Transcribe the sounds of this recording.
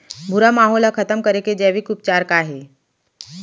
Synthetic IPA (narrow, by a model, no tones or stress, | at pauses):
bʱuɾamaɦolakʰət̪əmkəɾeked͡ʑɛʋikup̚t͡ɕaɾkaːɦe